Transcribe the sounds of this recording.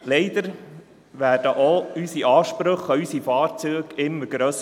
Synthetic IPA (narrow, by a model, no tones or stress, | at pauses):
lɛɪd̪̥əɾ | ʋæːd̥əʔoysiʔɑːʃpɾɵχəysifɑːɾt͡syːɡɪmːəɾɡɾœs